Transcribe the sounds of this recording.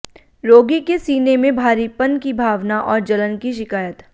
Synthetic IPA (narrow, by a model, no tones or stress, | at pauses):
ɾoːɡikesiːnemẽbʱaːɾipɐnkibʱaːʋnaʔɔːɾd͡ʒɐlənkiʃɪkaːjət̪